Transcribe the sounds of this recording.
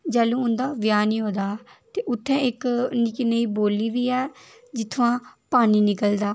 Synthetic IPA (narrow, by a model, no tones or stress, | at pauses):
d͡ʒɛːlũːʊnd̪aːʋjaːnĩːɦoːd̪aːt̪eːʔʊt̪ʰːɛ̃ːɪknɪkinəiːboːliːʋiːɛː | d͡ʒɪt̪ʰːʋãːpaːniːnɪkəld̪aː